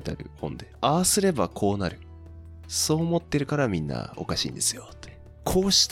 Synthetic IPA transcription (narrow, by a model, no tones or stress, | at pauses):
t̪ea̰ɾɯ̟hõ̞nd̪e̞aβasɨɾe̞bakʰo̞ːnaɾɯ̟ | so̞ːmo̞t̪ːe̞ɾɯ̟kaɾamʲĩnːa̰o̞̰kaɕḭːnd̪e̞sɨ̥jo̞t̪ːe̥ | kʰo̞ːɕi̥t̪